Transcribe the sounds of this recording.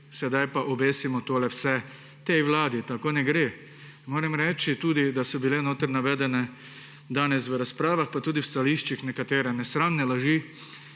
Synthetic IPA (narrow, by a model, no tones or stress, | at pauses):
sɛd̪ajpaʔɔbeːsimɔt̪oːlɛwsɛ | t̪ejʋlaːd̪it̪akoːnɛɡɾeː | moːɾɛmɾɛːt͡ʃit̪uːd̪id̪asɔbilɛnoːt̪əɾnaʋɛːd̪ɛnɛ | d̪aːnɛsʋəɾaspɾaːʋaxpat̪uːd̪iwst̪aliːʃt͡ʃixnɛkat̪eːɾɛnɛsɾannɛlaʒiː